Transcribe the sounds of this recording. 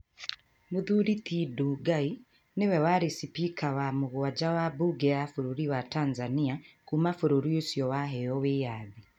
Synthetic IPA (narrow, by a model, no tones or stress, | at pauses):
moðuɾitiduːɡai | newɛwaɾesipikʰawamoɣowad͡ʒawabuɡɛjafoɾoɾiwataːnzaniakumafoɾoɾiosjɔwaɦɛjɔwejaði